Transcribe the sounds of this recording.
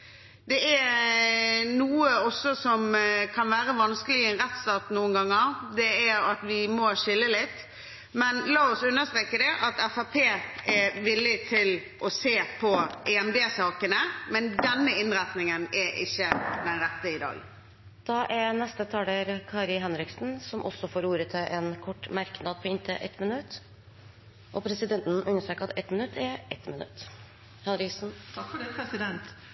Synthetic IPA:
d̪ɛæ | nuːəɔsːɔsɔmkʰɑnʋæːʁəʋɑnskəlɪɛnʁɛt̪st̪ɑːt̪nuːənɡɑŋːəʁd̪ɛæɾɑt̪ʋɪmɔʂɪlːəlɪt̪ː | mɛnlɑːɔsʉnːəst̪ʁeːkəd̪ɛʔɑt̪ɛfɑpʰeːɛʋɪlːɪt̪ʰɪl | ʔɔseːpʰɔʔɛɛmd̪eːsɑːkənəmɛnd̪ɛnːəɪnɾæt̪nɪŋənɛʔɪ̰çːəd̪ɛnɾɛt̪ːəɪd̪ɑ̰ːɡ | d̪̥ɑːʔɛɾnɛst̪ət̪ʰɑːləɾkʰɑːɾɪɦɛnɾɪksn̩sɔmʔɔsːɔfoːɾuːɾət̪ʰɪlʔɛnkʰɔʈːmæɾknɑd̪̚pʰɔɪnt̪ʰəʔɛ̰t̪mɪnʉt̪ː | ʔɔpʰɾɛsɪd̪ɛnt̪n̩ʔʉnːəʂʈ̪øːkɑt̪ɛt̪mɪnʉt̪ʰːɛɾʔɛt̪mɪnʉ̰t̪ | hɛnɾɪksn̩t̪ʰɑkfɔɖɛpʰɾɛsɪd̪ɛnt̪

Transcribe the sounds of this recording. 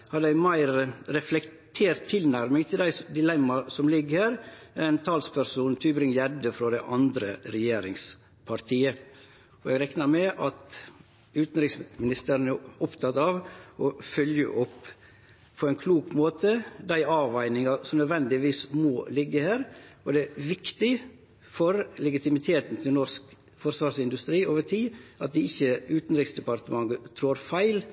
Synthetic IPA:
hɑd̪æɪmæɪɾɾɛflɛkt̪ʰeːɾt̪ʰːɪlnæɾmɪŋt̪ʰɪld̪æɪsd̪ɪlɛmːɑsɔmlɪɡːəɾhæːɾæɾɛnt̪ʰɑːlspʰæɾsuːnt̪ʰyːbɾɪŋjɛd̪əfɾɔd̪æɪʔɑnd̪ɾəɾɛjeːɾɪŋs | pʰɑɾt̪ʰiːə | ɔɛɡɾɛknɑɾmɛʔɑt̪ | ʉːt̪n̩ɾɪksmɪnɪst̪əɾənæɔpt̪ʰɑt̪ɑʋʔɔfœljə̰ʔɔpː | pʰɔɛnkʰluːkmoːt̪əd̪æɪʔɑːʋæɪnɪŋɑsɔmnœd̪ʋɛnd̪ɪʋiːsmoːlɪɡːəhæːɾɔɖɛʋɪkt̪ɪ | fɔɾlɛɡɪt̪ɪmɪt̪ʰeːt̪n̩t̪ʰɪlnɔsk | fɔɾsʋɑːɾsɪnd̪ʉst̪ɾiːoːʋəʈʰiːʔɑt̪̚d̪ɛɪçːəʉːt̪n̩ɾɪksd̪ɛpɑɾt̪əmɑŋɡət̪ʰɾoːɾfæɪl

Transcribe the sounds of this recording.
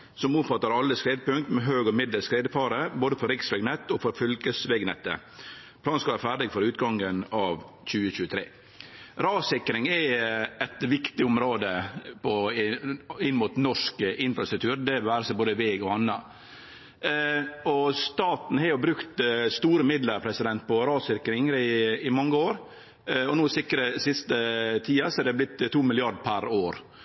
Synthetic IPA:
sɔmʊt̪fɑt̪ːɑɾɑlːəskɾeːd̪əpʉŋkt̪mɛɦøːɡɔmɪd̪ləlskɾeːd̪əpɑːɾəboːd̪əfɔɾɪksʋɛɡnɛt̪ːɔfɔɾfʏlkəsʋɛɡnɛt̪ːə̰ | pʰlɑːnskɑʋæːɾfæːɖɪɡfɔɾʉːt̪ɡɑŋənɑːʋçʉːəçʉːət̪ʰɾḛː | ɾɑːsɪkɾɪŋɛɛt̪ʋɪkt̪ɪʊmɾoːd̪əpʰɔ | ɪnːmʊːt̪nɔʂkʔɪnfɾɑst̪ɾʉk̚t̪ʰʉːɾd̪ɛʋæːɾəsæboːd̪əʋɛːɡɔɑnːɑ | ɔst̪ɑːt̪n̩hɛjʊbɾʉkt̪st̪uːɾəmɪd̪ləɾpʰɾɛsɪd̪ɛnt̪̚pʰɔɾɑːsɪkɾɪŋɾɪɪmɑŋːəoːɾ | ɔnuːsɪkɾəsɪst̪ət̪ʰiːɑsɔæɾd̪ɛblɪt̪ːt̪ʰːuːmɪlɪɑɖpʰæɾoːɾ

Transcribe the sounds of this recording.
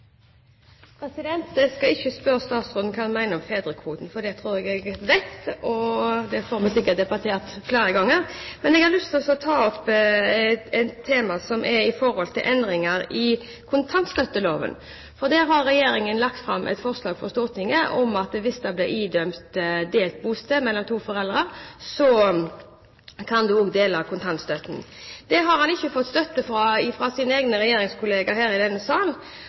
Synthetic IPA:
pʰɾɛsɪd̪ɛnt̪ɛskɑɪçːəspœɾəst̪ɑːt̪sʁɔnnkʰɑnmæɪnəɔmfeːd̪ɾəkʰʋuːt̪n̩fɔd̪ɛt̪ʰɾuːɾɛɡɛɡʋɛt̪ɔd̪ɛfoːɾmɛsɪkːət̚d̪ɛbɑt̪ʰeːʁt̪fleːɾəɡɑŋːəɾmɛnɛɡhɑʁlʏst̪ʰɪlɔsɔɔt̪ʰɑːɔp | ɛnt̪ʰːeːmɑsɔmʔɛɾɪfɔɾhɔlt̪ʰɪlʔɛnd̪ɾɪŋəɾɪ | kʰʊnt̪ʰɑnt̪st̪œt̪ːəloːʋə̰n | fɔʁd̪æɦɑɾːɛjeːɾɪŋənlɑk̚t̪fɾɑmːʔɛ̰t̪fɔʁslɑːɡfɔʁst̪oːt̪nɪŋəʔɔmɑt̪̚d̪ɛʋɪsd̪ɑblɪiːd̪œmt̪d̪eːlt̪̚buːst̪əmɛlːɔmt̪ʰuːfɔɾɛld̪ʁəsɔ | kʰɑnd̪ʉoːɡd̪eːlɑkʰʊnt̪ʰɑnt̪st̪œt̪n̩d̪̥ɛɦɑɾhɑnɪçːəfɔt̪ːst̪œt̪ːəfɾɑɪfɾɑːsɪneːɡnəɾɛjeːɾɪŋskʰʊleːɡɑɦæːɾɪd̪ɛnːəsɑːln

